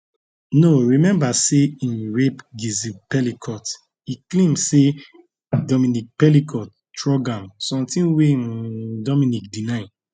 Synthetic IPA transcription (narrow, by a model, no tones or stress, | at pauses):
noɹimɛ̃mbaseĩnɹepɡizipɛlikʰɔt | iklẽmse | dɔmĩnik̚pɛlikʰɔt̚ | tɹɔɡãmsɔ̃mtĩnwedɔmĩnik̚dinãɪ̃